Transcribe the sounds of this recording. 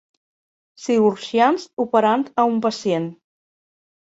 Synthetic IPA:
siɾuɾʒianzupəɾant̪əumpəsien

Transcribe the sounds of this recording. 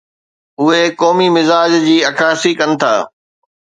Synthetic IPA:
ʊɦekɔːmimɪzaːd͡ʑd͡ʑiːɐkʰaːsikɐnɪ̆t̪ʰa̰ː

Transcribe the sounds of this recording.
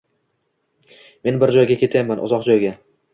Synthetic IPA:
me̞nbɪɾd͡ʒɒjɡʲakʲʰe̞t̪ʰajamanʔʊ̰zɒqd͡ʒɒjɡʲa

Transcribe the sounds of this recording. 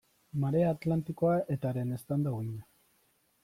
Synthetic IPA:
maɾeaːt̪lant̪iko̞aʔet̪aɾene̞st̪and̪awiɲa

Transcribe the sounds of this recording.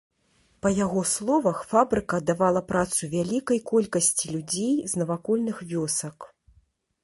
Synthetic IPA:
pɐjaɣɔslˠɔvɐxfabɾɨkɐd̪avalˠɐpɾat̪suvʲalʲikɐjkɔlʲkɐsʲt͡sʲilʲud͡zʲejznɐvakɔlʲnɨxvʲɔsɐk

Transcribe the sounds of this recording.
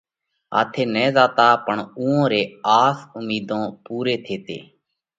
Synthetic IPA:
ɦa̰ːt̪ʰeːnɛ̃ːzaːt̪aːpəɳũːõːɾeːaːsʊmiːd̪õːpuːɾeːt̪ʰeːt̪ḛː

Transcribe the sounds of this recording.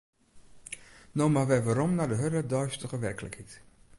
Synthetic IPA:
nowmaʋɛjʋaɾɔmnadəɦødədœɥstəχəʋɛrkələ̰khit

